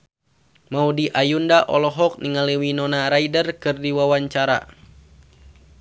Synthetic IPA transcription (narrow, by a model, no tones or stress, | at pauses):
maudiʔajundaʔɔlɔɦɔk̚niŋaliwinɔnaɾaidərkɨrdiwawaɲt͡ʃaɾa̰